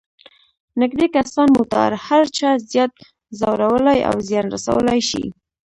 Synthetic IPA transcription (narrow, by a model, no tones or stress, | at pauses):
nɪɡd̪ekasɑnmʊt̪ɑ̰ɾhaɾt͡ʃɑzjɑt̪̚ | zawɾawəlaja̰wzjɑnɾasa̰wəlajʃḭ